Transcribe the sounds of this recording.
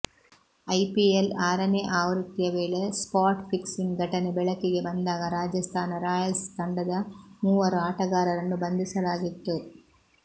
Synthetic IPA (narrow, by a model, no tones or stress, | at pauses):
ɐjpielaːɾɐneːʔaːʋɾit̪ːijɐʋeːɭespaːɾʈpʰiksiŋɡʱɐʈɐnebɛɭɐkːiɡe̞bɐnd̪aːɡɐɾaːd͡ʒɐst̪ʰaːnɐɾaːjɐlst̪ɐɳɖɐd̪ɐmuːʋɐɾuaːʈɐɡaːɾɐɾɐnːubɐnd̪isɐlaːɡit̪ːu